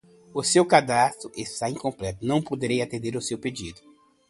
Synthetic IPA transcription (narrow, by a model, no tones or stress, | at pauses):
ʊsewkad̪ast̪ɾʊʔest̪aẽj̃kõplɛt̪ʊnɐ̃w̃pod̪eɾejat̪ẽnd̪eɾʊsewped͡ʒid̪ʊ